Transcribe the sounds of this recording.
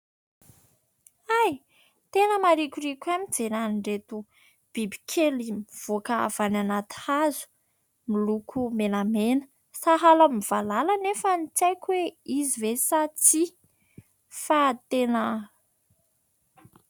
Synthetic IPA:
aj | t̪enəmaɾikʲuɾikʲamid͡zenaniɳɖ͡ʐet̪u | b̥ibi̥kʲʰelimiv̥okəa̰v̥ananat̪i̥hazu̥ | milukʰumenamenə̥ | saɦalamiv̥alalanefənit͡sajkʲuweizivesat͡si | fat̪enə

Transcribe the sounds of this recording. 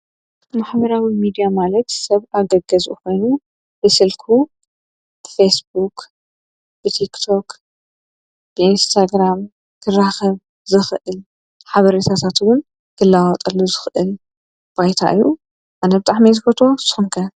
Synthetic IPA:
ɨmaħβɐɾawimid̪ijamalɐt̪sɐβʔaɡɐɡɐzuʔuko̞jnu | b̥ɨsɨlkʰu | b̥ɨfesbuk | b̥ɨt̪ʰikt̪ʰo̞k | b̥ɨinst̪ʰaɡɾam | kʰɨraxɐβ | zɨxʔɨl | ħaβɐɾet̪ʰat̪ʰat̪wʊn | kʰɨlːawɔt̪ʼɐlːozɨxʔɨl | b̥ajt̪ʰa̰ʔɨjːu | ʔanɐbɨt̪ʼaħmizɨkɐt̪ʰosɨ̥xɨmkʰɐ

